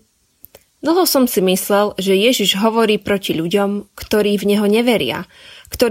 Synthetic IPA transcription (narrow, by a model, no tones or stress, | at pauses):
d̪l̩ˠɦɔsɔmsimislɛlʒɛjɛʒiʒɦɔʋɔɾiːpɾɔciʎuɟɔmkt̪ɔɾiːvɲɛɦɔɲɛʋɛɾɪa̰ | kt̪ɔɾ